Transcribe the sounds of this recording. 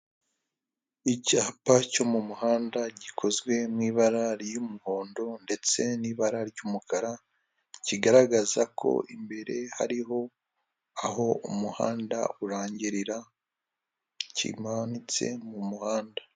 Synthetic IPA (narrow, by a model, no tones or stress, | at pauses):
icaːpaco̞mumuhaːndaɟikʰo̞zɡwe̞mŋiːβaɾaɾijumuho̞ːndo̞nde̞t͡se̞niːβaɾaɾɟuːmukaɾa | ciɡaɾaɡazakʰo̞̰ʔimbe̞ɾe̞ha̰ɾiɦo̞ | aɦo̞umuha̰ːnda̰uɾaːɲɟiɾiɾa | cḭmaβnit͡se̞̰mumuhaːnda